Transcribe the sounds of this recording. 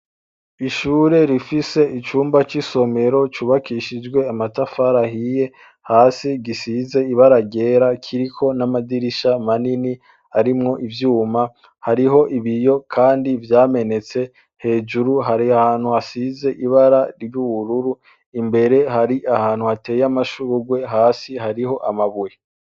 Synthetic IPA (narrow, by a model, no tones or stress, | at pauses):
iʃuːɾe̞ɾifise̞it͡ʃuːmbat͡ʃiso̞me̞ɾo̞t͡ʃuːβakʰiʃid͡ʒwe̞amatafaɾahije̞ | haːsiɡisize̞iβaɾaɟe̞ɾakʰiɾikʰo̞namadiɾiʃamanini | haɾimŋo̞ʔivjuːma | haɾiɦo̞ʔiβijo̞kʰaːndivjaːme̞ne̞t͡se̞ | he̞ːd͡ʒuɾuɦaɾhaːn̥huasize̞ʔiβaɾaɾijuwuɾuɾu | imbe̞ɾe̞ɦaɾiʔahaːn̥huateːjamaʃuɾuɡwe̞ɦaːsiɦaɾiho̞ʔamaβuje